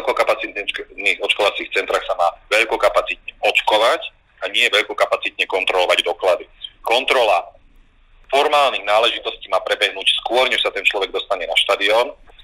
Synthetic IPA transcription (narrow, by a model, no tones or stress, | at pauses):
lkɔkapat͡sit̪niːɣɔt͡ʃkɔʋat͡siːxt͡sɛnt̪ɾaːxsamaːʋɛʎkɔkapat͡sit̪̚ɲɛʔɔt͡ʃkɔʋac | aɲɪɛʋɛʎkɔkapat͡sit̪ɲɛkɔnt̪ɾɔlɔʋaɟd̪ɔklad̪ikɔnt̪ɾɔla | fɔɾmaːlniːɣnaːlɛʒit̪ɔsciːmaːpɾɛbɛɦnuːcskʊɔɾɲɛʃsat̪ɛnt͡ʃlɔʋɛɡ̚d̪ɔst̪aɲɛnaʃt̪ad̪iɔːn